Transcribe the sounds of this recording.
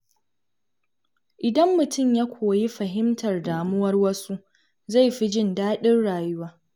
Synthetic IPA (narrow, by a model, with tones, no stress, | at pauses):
ʔɪ˨dɐ˦mːʊ˨tʊ˦˨mja˦kʷʰoː˨ji˦ɸɐ˨ɦɪ˦mtʰɐ˨rdaː˨mʊ˦wɐ˦rwɐ˦su˦ | za˦˨jɸi˦d͡ʒɪ˦˨ndaː˦ɗɪ˦rɽaː˨jʊ˦waː˦